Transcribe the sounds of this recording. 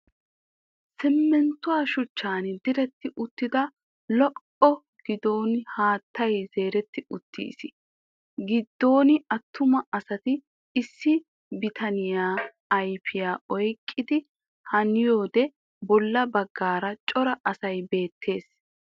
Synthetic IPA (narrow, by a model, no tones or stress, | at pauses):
sɪmːɛnt̪ːʊwaːʃʊt͡ʃːaːnd̪ɪɾɛt̪ːɪʔʊt̪ːɪd̪ɐ | lɔʔ | ɔ | ɡ̥ɪd̪o̞ːnhaːt̪ːɐjz̥e̞ːɾɛt̪ːɪʊt̪ːḭːsɪ | ɡɪd̪ːo̞ːnɪɐt̪ʰːʊmɐʔɐsɐt̪ɪ | ɪsːɪ | bɪt̪ʰɐnɪjaː | ɐjfɪjaːɔjkʼːɪd̪ɪ | hɐnɪjoːd̪ɛ | bɔlːɐbɐɡːaːɾɐt͡ʃʼɔɾɐʔɐsɐjbe̞ːt̪ʰːe̞ːs